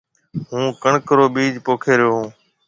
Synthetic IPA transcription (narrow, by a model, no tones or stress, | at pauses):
ɦũːkəɳkəɾoːɓiːd͡ʒpoːkʰeːɾɪjoːɦũː